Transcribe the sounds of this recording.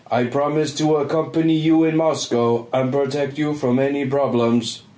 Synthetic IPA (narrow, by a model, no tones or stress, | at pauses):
ʔaɪpʰɹ̥ɑmɪstʰəəkʰʌ̃mpənijəɪ̃nmɑskoʊə̃npɹ̥ətʰɛk̚t͡ʃəfɹə̃mɛnipʰɹ̥ɑblə̃mz̥